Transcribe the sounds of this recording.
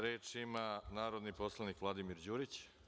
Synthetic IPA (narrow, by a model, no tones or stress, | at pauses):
ɾeːt͡ʃimanaːɾo̞d̪niposlˠanikʋlˠad̪imiɾd͡ʑuːɾit͡ɕ